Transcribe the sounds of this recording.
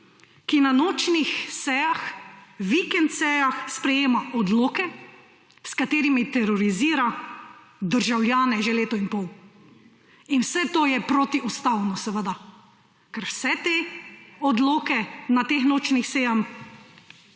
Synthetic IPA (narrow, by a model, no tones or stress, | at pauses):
kinanoːt͡ʃnixsɛjaxʋikɛnt̪sɛjaxspɾɛjeːmaʔɔd̪loːkɛ | skat̪eːɾimit̪ɛɾɔɾiziːɾa | d̪əɾʒawljaːnɛʒeleːt̪ɔinpɔw | inwsɛt̪oːjɛpɾot̪iust̪awnɔsɛʋəd̪a | kɛɾwsɛt̪eɔd̪loːkɛnat̪eːxnoːt͡ʃnixsɛːjam